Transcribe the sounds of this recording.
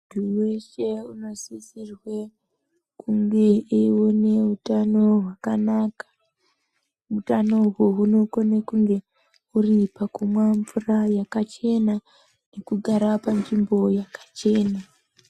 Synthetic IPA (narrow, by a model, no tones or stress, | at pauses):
duweʃeuno̞zisirwe | kʰuŋɡe̞iwone̞utano̞ɦwakanakḁ | mutano̞ɦuɦuno̞konekuŋɡe̞ | uripakumwaɱvurajakat͡ʃe̞na | ne̞kuɡʱaɾapand͡ʒimbo̞jakḁt͡ʃe̞ːna